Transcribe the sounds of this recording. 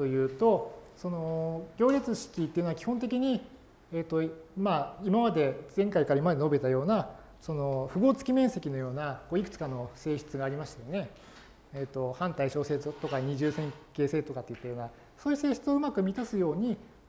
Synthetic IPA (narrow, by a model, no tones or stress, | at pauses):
t̪o̞jɯ̟ːt̪o̞so̞no̞ɡʲo̞ːɾʲit͡sɨɕi̥kʲit̪ːe̞jɯ̟noakʲi̥hõ̞nt̪̬e̞kʲiɲ̟i | eːt̪ːo̞maːimamad̪e̞zẽ̞ŋkaikaɾaimad̪e̞no̞be̞t̪ajo̞ːna | so̞no̞ɸɯ̟ɡo̞ːt͡sɨ̥kʲimẽ̞ɰ̃se̞kʲino̞jo̞ːnako̞ːikɯ̟̥t͡sɨ̥kano̞se̞ːɕi̥t͡sɨɡaːɾʲimaɕi̥t̪ejo̞ne̞ | eːt̪ːo̞hãnt̪aiɕo̞ːse̞t͡sɨt̪o̞kaɲ̟iʑɨːsẽ̞ŋke̞ːseːt̪o̞kat̪ːejɯ̟t̪ːajo̞ːna | so̞ːjɯ̟se̞ːɕi̥t͡sɨo̞ɯ̟makɯ̟mʲit̪asɨjo̞ːɲ̟i